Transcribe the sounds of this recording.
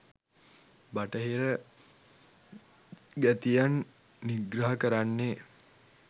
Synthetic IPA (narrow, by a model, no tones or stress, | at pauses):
baʈəɦiɾə | ɡæt̪ijanː | iɡɾaɦəkəɾanːe